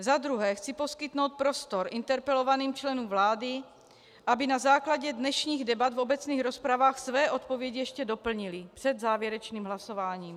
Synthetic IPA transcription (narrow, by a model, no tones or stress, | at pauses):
zad̪ɾuɦɛːxt͡sipo̞skɪt̪no̞wt̪̚pɾo̞st̪o̞ɾʔɪnt̪ɛɾpɛlo̞vaniːmt͡ʃlɛnuːmvlaːdɪ | ʔabɪnazaːklaɟɛdnɛʃɲiːɣdɛbat̪vo̞bɛt͡sniːxɾo̞spɾavaːxsvɛːʔo̞t̪̚po̞vjɛɟijɛʃcɛdo̞pl̩ɲɪlɪpr̝̥ɛd̪zaːvjɛɾɛt͡ʃniːmɦlaso̞vaːɲiːm